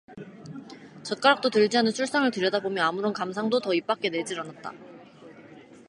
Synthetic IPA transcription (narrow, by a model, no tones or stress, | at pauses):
t͡ɕʌt̚k͈aɾak̚t͈otɯɭd͡ʑianɯnsʰuɭs͈aŋɯɭtɯɾjʌdabomjʌnamuɾʌnkams̬ʰaŋdotʌip͈ak͈e̞ne̞d͡ʑiɾanat̚t͈a̰